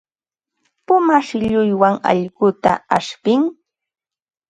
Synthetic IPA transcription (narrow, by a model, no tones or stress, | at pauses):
pʊmaʃɪʎʊjwaŋa̰ʎɢʊt̪a̰a̰ʂpɪŋ